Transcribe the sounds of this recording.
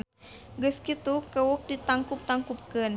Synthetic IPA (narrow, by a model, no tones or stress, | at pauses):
ɡəskit̪ukəwʊk̚dit̪aŋkup̚t̪aŋkup̚kən